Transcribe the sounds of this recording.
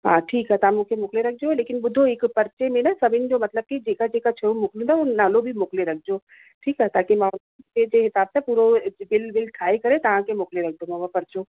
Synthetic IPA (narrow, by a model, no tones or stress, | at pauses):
ɦãːʈʰiːkaɦet̪ɐ̤ãmũːkʰemʊːkleɾɐkʰd͡ʑoleːkɪnɓʊd̪ʱoɦɪkpɐɾt͡ɕemẽnɐsɐbʱɪnɪ̆d͡ʑoːmɐt̪ləb̚kid͡ʑeːkad͡ʑeːkat͡ɕʰɐjũmʊːklũnd̪aunaːlobʱimʊːkleɾɐk̚ʰd͡ʑo | ʈʰiːkaɦet̪aːkimãʊn | ed͡ʑeːɦɪsaːb̚t̪epuːɾobɪlbɪlʈʰaːikɐɾet̪ɐʋ̤ãkʰemoːkleɾɐkʰd̪omãʋapɐɾt͡ɕo